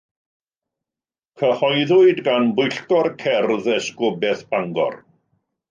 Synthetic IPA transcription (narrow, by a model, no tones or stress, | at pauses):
kʰəhɔjðʊɨdɡanbʊjɬkɔrkʰɛrðɛskʊbɛθb̥aŋɡɔ̰r